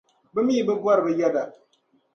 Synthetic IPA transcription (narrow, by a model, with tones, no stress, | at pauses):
bɨ˦mi˦i˨bɨ˦ɡwa˦ɾbə˦ja˦da˨